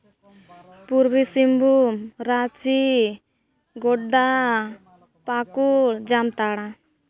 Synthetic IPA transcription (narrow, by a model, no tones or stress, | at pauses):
puɾbisimbumɾat͡ʃi | ɡɔɖa | pakuɭd͡ʒamt̪aɽa